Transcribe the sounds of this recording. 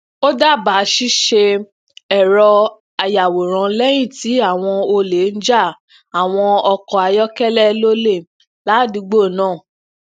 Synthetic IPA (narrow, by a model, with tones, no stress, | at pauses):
o˦da˦˨ba˨˦ʃi˦ʃe˧ | ɛ˨ɾɔ˧ | a˧ja˨wo˨ɾ̃ã˨˦lɛ˦j̃ĩ˦˨ti˨˦a˦˨w̃ɔ̃˧o˧le˨˦n̩˦d͡ʒa˦˨ | a˨w̃ɔ̃˧ɔ˧kɔ˧a˧jɔ˦kɛ˦lɛ˦lo˦le˦˨ | la˨˦˨di˧ɡ͡bo˦˨nãː˦˨